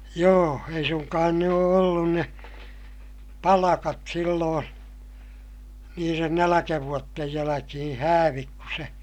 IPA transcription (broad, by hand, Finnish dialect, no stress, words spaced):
joː ei suŋkɑːn ne oː olːun ne pɑlɑkɑt silːoːn niːren nælækæʋuotːej jælækihĩː hæːʋik ku se